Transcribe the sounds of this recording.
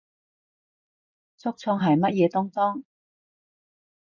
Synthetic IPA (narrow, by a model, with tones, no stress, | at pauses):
t͡sʰʊ˥k̚t͡sʰɔː˧ŋɦɐ˨jmɐ˥t̚jɛː˨˧t̪ɔː˥ŋfɔː˥ŋ